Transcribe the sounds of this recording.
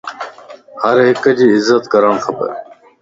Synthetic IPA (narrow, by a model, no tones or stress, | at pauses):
həɾɦɪkəd͡ʒiːɪzːət̪kəɾaːɳxəbə̰ɾ